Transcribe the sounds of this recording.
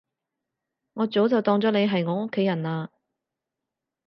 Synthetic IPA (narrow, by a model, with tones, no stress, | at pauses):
ŋɔː˨˧t͡so˨˥wt͡sɐ˨wt̪ɔː˧ŋt͡sɔː˨˥ne˨˧jɦɐ˨jŋɔː˨˥ŋo˥kʰːe˨˥jɐ˨˩naː˧